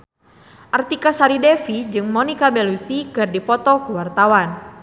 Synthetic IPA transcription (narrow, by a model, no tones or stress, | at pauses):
ʔart̪ikasaɾidɛfid͡ʒɨŋmɔnikabɛlusikɨrdipɔt̪ɔkuwart̪awan